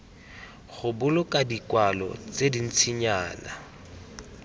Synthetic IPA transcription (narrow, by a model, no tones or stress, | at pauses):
ɣʊbʊlʊkʼadikwalɔ̰t͡sedin̩t͡sʰiɲaːna̰